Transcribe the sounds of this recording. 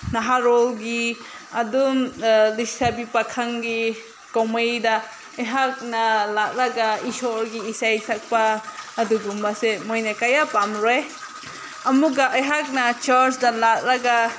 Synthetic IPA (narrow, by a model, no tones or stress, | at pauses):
naɦaɾolɡi | ɐdumlisabipakʰaŋɡi | komajda | ajɦak̚nɐlak̚lɐɡaisɔɾɡiːsajsak̚paːduɡumbasemojnakajapamɾoj | ɐmuɡaʔajɦak̚nat͡ʃaɾsdalak̚laɡa